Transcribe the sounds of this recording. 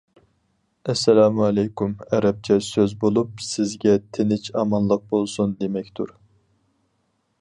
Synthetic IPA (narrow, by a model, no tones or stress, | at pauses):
ɛsːɛlaːmuɑlɛjkʰumɛɾɛp̚t͡ʃʰɛsøzbolˠup̚sɪzɡʲɛt̪ʰenɪt͡ʃʰɑmɑnlˠəq̚bolˠsund̪emɛkʲt̪ʰuɾ